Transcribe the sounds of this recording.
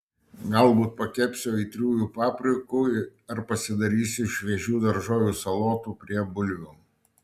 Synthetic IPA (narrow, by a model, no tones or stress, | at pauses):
ɡɐlˠbuːt̪̚pɐkʲɛpʲsʲoːɪːt̪ʲɾʲuːjuːpɑːpʲɾʲʊkuːɐɾpɐsʲɪd̪ɐɾʲiːsʲɪʃʋʲɛʒʲuːd̪ɐɾʒoːjʲuːsɐlˠoːt̪uːpʲɾʲiɛbʊlʲʋʲuː